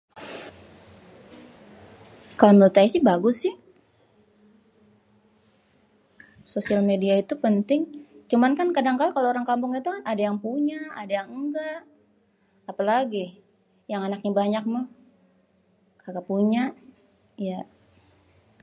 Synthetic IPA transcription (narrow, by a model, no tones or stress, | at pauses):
kalaməlt̪aisɪhbaɡʊsɪh | sosialmediait̪upənt̪ɪŋt͡ʃumankankadaŋkalkaloːɾaŋkampʊŋat̪ukanadajaŋpuɲaʔadajaŋŋɡaʔː | palaɡi | jaŋanak̚ɲabaɲak̚ma | kaɡapuɲa | ja